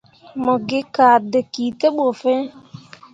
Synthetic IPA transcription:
mɔ˨ɡɪ˦ka˨dɛ˨kiː˨t̪e˦ɓo˨fɛ˦

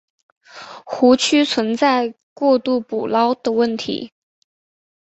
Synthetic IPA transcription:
xu˧˥t͡ɕʰy˥t͡sʰwə˧˥nt͡sa˥˧ɪ | kwɔ˥˧t̪u˥˩pu˨˩lɑ˥ʊd̪̥ə˨wə˥˩nt̪ʰḭ˧˥

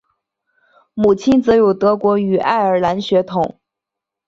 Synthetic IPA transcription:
mu˨˩t͡ɕʰi˥nt͡sɤ˧˥jo˨˩ʊt̪ɤ˧˥kwɔ˧˥y˨˩ʔa˥˩ɪə˞˨˩la˧˥nɕɥɛ˧˥t̪ʰʊ˨˩˦ŋ

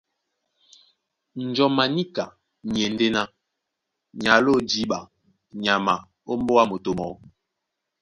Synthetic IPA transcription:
n̩˨d͡ʒɔ˨ma˨ni˦ka˨ | ɲ˨e˨n˦de˦na˦ | ɲa˨lo˦d͡ʒi˦ɓa˨ | ɲa˨ma˨ | o˦m˦bo˦wa˦mo˨to˨mɔ˨˦

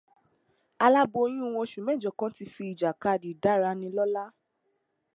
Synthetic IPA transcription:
a˧la˦bo˧o˧j̃ũ˦˨w̃ɔ̃˧˦ʃũ˨mɛ̃˦˨d͡ʒɔ˨kã˦ti˧fi˧i˨d͡ʒa˨ka˧˨di˨da˨˦ɾa˧nĩ˧lɔ˦la˦

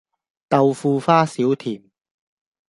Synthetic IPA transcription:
t̪ɐ˨˧wfuː˧faː˥siː˨˥wt̪ʰiː˨˩m

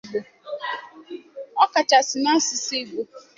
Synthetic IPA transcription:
bo˨ | ɔ˦ka˨ta˨sɪ˨na˦si˨se˦ɡo˨

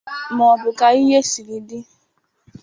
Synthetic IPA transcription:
mɔ˨bʊ˨ka˨i˦ɦe˦si˨ɾi˨dɪ˦

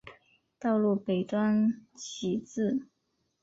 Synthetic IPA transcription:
t̪ɑ˥˧ʊlu˥˩pe˨˩ɪt̪wa˥nt͡ɕʰi˨˩t͡sɹ̩˥˩

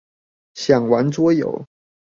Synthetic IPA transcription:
ɕjɑ˨˩ŋwa˧˥nt͡swɔ˥jo̰˨˦ʊ

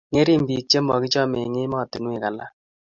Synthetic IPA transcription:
ŋe˦ɾi˦m˨bi˨t͡ʃe˦mɔ˨ki˦t͡ʃɔ˦me˨ŋɪ˦mɔ˦˨ti˨nwi˦˨ka˨la˦

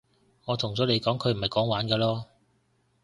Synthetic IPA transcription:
ŋɔː˨˧t̪ʰʊ˨˩ŋt͡sɔː˨˧le˨˧jkɔː˨˥ŋkʰɵ˨˧ɥm̩˨˩ɐ˨jkɔː˨˥ŋwaː˨˥nkɛː˧lɔː˥

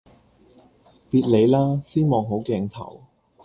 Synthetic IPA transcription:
piː˧t̚le˨˧jlaː˥siː˥nmɔː˨˧ŋɦo˨˥wkɛː˧ŋt̪ʰɐ̰˨˩w

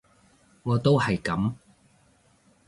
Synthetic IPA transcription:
ŋɔː˨˧t̪o˥whɐ˨jkɐ˨˥m

